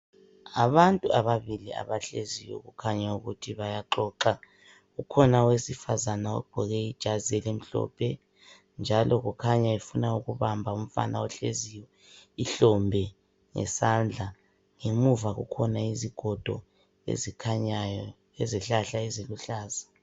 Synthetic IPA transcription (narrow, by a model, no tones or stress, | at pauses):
aβantʼuaβaβilia̰βaɬezijwɔ̰ɣukʰaɲauɣutʰiβajaǃɔːǃa | ɣukʰɔnawesifazanaɔ̰b̥ʱɔɣɛid̥ʒ̥ʱazɛlem̩ɬɔ̰ːpʰɛ | nd͡ʒʱalʔɔɣukʰaɲaefunauɣuβambʱaum̩fa̰nʔaɔɬḛzijɔ | iɬɔmbʱɛ | ŋɛ̰sand͡ɮʱa | ŋemuvaɣṵkʰɔnaiziɡ̥ʱɔd̥ʱɔ̰ | ḛzikʰaɲajɔ | ɛzɛɬaɬaɛzeluɬaːza